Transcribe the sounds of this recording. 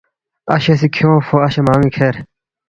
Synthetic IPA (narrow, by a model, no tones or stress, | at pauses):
ɐ̰ɕesikʰjõːfoɐɕemaːŋikʰeːɾ